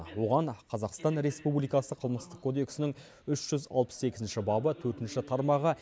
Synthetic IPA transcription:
wo̞ʁɑɴqʰɑzɑqst̪ɑnɾe̞spublijkɑsəqʰəlˠməst̪əqkʰod̪e̞ksɪnɪŋ | ʏʃʒ̥ʏzɑ̰lˠpə̥sekʲɪzɪnʃɪbɑbət̪ʰɵɾt̪ɪnʃɪt̪ʰɑɾmɑʁə

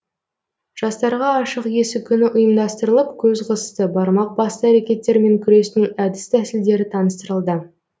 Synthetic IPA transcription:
ʒ̥ɑst̪ɑɾʁɑːʃəqje̞sɪkʲʰʏnɪʔʊjəmd̪ɑst̪əɾəlˠəpkʲʰɵzqʰəzəst̪əbɑɾmɑq̚bɑst̪əæɾekʲe̞t̪ːe̞ɾme̞ŋkʲʰʏɾe̞snɪŋæd̪ɪst̪ʰæsɪld̪e̞ɾɪt̪ʰɑnəst̪əɾəlˠd̪ə

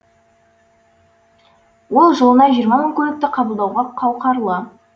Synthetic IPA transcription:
wo̞lˠʒolˠənɑʒijəɾmɑməŋkʲʰɵlɪk̚t̪ɪqʰɑbəlˠd̪ɑwʁɑqʰɑwqɑɾlˠə

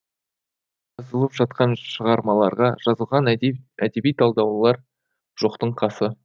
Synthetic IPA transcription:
ʒɑzəlˠəpʒɑt̪̚qɑnʃəʁɑɾmɑlˠɑɾʁɑʒɑzəlˠʁɑnæd̪e̞bijt̪ʰɑlˠd̪ɑwlˠɑɾ | ʒ̥o̞qt̪əɴqʰɑsə

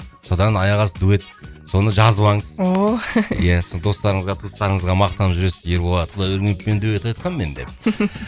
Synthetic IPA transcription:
so̞d̪ɑnɑjɑʁɑsəd̪ue̞t̪ | so̞nəʒɑzəbˠɑɴəzojæsond̪o̞st̪ɑɾəɴəzʁɑt̪ʰust̪ɑɾəɴəzʁɑmɑq̚t̪ɑəpʒʏɾe̞sɪzje̞ɾbo̞lˠɑd̪əqd̪ɑɵɾɡʲent̪pe̞nd̪ue̞t̪ɑjt̪qʰɑnme̞nd̪e̞̰p

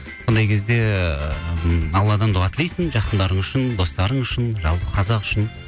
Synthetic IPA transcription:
wond̪ɑjkʲʰe̞zd̪e̞ | ɑlˠːɑd̪ɑnʊʁɑt̪ʰɪlejsɪŋʒɑqənd̪ɑɾəɴʏʃɪnd̪o̞st̪ɑɾəɴʏʃɪnʒɑ̰lˠpə̥qʰɑzɑqʏ̥ʃɪn

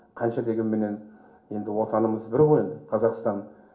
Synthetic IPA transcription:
qʰɑnʃɑd̪e̞ɡʲe̞nme̞ne̞n | je̞nd̪ɪwot̪ɑnəməzbɪɾʁoe̞nd̪ɪqʰɑzɑqst̪ɑn

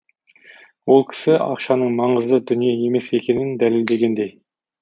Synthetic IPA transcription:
wolˠkʲʰɪ̥sɪɑ̰qʃɑnəɴmɑɴəzəd̪ʏnijɑje̞mesekʲenɪnd̪ælɪld̪eɡʲend̪ej

